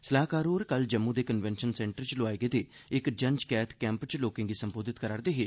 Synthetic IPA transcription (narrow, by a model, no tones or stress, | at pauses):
səlaːkaːɾoːɾkəld͡ʒəmːud̪eːkənʋɛːnʃənsɛ̃ːɳʈəɾt͡ʃloaːeɡed̪eː | ɪkd͡ʒəɲd͡ʒkɛːt̪ʰkɛ̃ːmpt͡ʃloːkɪ̃ŋɡiːsəmboːd̪ɪt̪kəɾaːɾd̪eːɦeː